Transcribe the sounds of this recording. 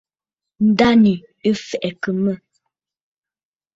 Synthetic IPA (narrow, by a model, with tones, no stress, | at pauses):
n̩˨˦da˦ni˨ | ə˦fɛ˨ʔɛ˨kə˨mə˦˨